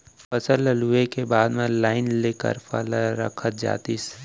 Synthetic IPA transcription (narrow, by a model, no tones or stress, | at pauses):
pəsəlːəluekebaːd̪mẽlaːɪnleːkə̰ɾpə̰laɾə̰kʰət̪̚d͡ʒa̰ːt̪is